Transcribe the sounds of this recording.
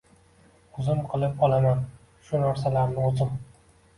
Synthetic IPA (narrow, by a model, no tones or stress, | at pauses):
ʊzɪmqʰɨlˠɪp̚ɒlaman | ʃʊnaɾsalaɾɪnɪʊzɪm